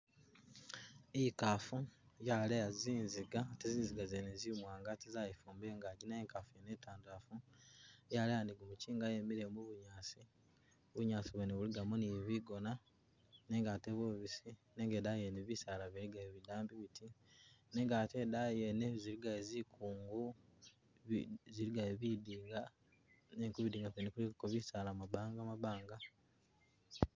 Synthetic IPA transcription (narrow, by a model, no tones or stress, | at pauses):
ikafujalejaziːnziɡateziːnziɡazenezimwaːŋɡatizajifuːmbeːŋɡaɟinaeːŋkafenetaːndafu | jalejandiɡumuciːŋɡajemiɾemuβuɲaːsi | βuɲaːsiβweneβuliɡamuniβiɡo̞na | neŋɡateβoβisineŋɡedajeneβisalaβiliɡaeβidaːmbiβitʰineːŋɡate̞dajeneziɾiɡaezikʰuːŋɡu | βziɾiɡaeβidiːŋɡa | nekuβidiːŋɡaβenekulikoβisalamaβaːŋɡamaβaːŋɡa